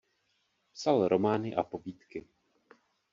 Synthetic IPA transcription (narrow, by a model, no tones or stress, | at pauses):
psalɾo̞maːnɪʔa̰po̞biːt̪kɪ